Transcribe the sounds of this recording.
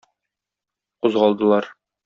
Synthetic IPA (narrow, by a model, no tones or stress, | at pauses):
quzʁɒlˠd̪ɤ̆lˠɑɾ